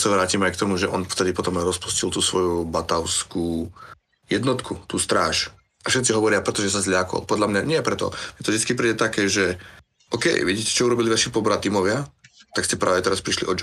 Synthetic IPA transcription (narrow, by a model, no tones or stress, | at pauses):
saʋɾaːcimajkt̪ɔmuʒɛʔɔnft̪ɛd̪ipɔt̪ɔmajɾɔspu̥scilt̪uːsʋɔjubat̪aʊskuː | jɛd̪nɔt̪kʰut̪uːst̪ɾaːʃ | ʔafʃɛt̪siɦɔʋɔɾɪapɾɛt̪ɔʒɛsazʎɪakɔ̰lpɔd̪ʎamɲaɲɪɛpɾɛt̪ɔ̰mɛt̪ɔvʒd̪it͡skipɾiːɟɛt̪akɛːʒɛ | ʔɔkɛ̰jʋɛɟiːcɛ̥t͡ʃɔuɾɔbiliʋaʃipɔbɾat̪iːmɔʋɪat̪akscɛpɾaːʋɛt̪ɛɾaspɾiʃlḭʔɔd͡ʒ